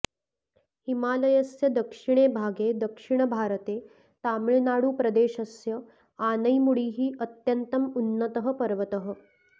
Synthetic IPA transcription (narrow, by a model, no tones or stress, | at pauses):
himaːləjəsjɐd̪əkʂiɽ̃ebʱaːɡed̪əkʂiɳ̃əbʱaɾt̪e | t̪amɭenaɽuːpɾɐd̪eːʃɐsjɐ | anəjmuɽiːɦiːʔət̪jənt̪əmunːət̪əɦəpɐɾʋət̪əɦə